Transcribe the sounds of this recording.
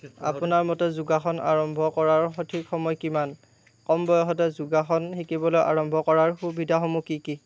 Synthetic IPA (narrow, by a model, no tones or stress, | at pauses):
a̰pʊnaɹmɔtɛzuɡaxɔna̰ɹɔmbʱɔkɔɹaɹxɔtʰikxɔmɔjkiman | kɔmbɔjɔɦɔtɛzuɡaxɔnxikibɔlojʔa̰ɹɔmbʱɔkɔɹaɹxubidʱaxɔmukiki